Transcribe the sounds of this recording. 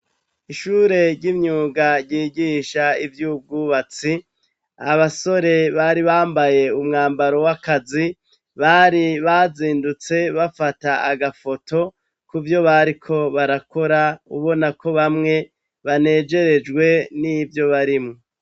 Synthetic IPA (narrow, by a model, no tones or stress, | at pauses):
iʃuːɾe̞ɾɟimɲuːɡaɾɟiːɟiːʃaivjub̚ɡuːβat͡si | aβaso̞ɾe̞βaɾiβaːmbaje̞umŋaːmbaɾo̞wakazi | βaɾiβaziːndut͡se̞βafataaɡafo̞to̞ | kuvjo̞βaɾikʰo̞βaɾako̞ɾauβo̞nako̞βamŋe̞ | βane̞ːd͡ʒe̞ɾe̞d͡ʒɡwe̞nivjo̞βaɾimŋo